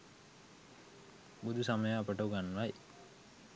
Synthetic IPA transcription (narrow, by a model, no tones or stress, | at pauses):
bud̪ʱusaməjəːpəʈəuɡanːʋaj